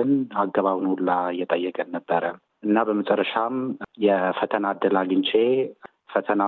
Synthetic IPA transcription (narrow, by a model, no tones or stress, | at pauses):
ɨnaɡːəβaβnwulːajɛt̪ʼəjːɛkʼənːəbːəɾə | ʔɨnːabəmət͡ʃʼəɾːəʃamjɛfət̪ʰənad̪ːəlaɡɨnt͡ʃʼe | fət̪ʰəna